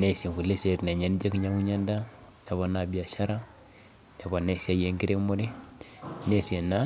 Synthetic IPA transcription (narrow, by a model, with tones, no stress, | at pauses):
ne˦si˨ŋku˨le˦se˨ɾi˨na˨ɲa˦nd͡ʒe˦kɲa˦ŋu˦ɲa˦nda˦ | d͡ʒa˨βa˨na˨bi˨a˨ʃa˦ɾa˦ | d͡ʒa˨ba˨ne˦si˦a˨je˦ŋɡi˦ɾe˦mo˦ɾi˦ | ne˦si˨e˨na˦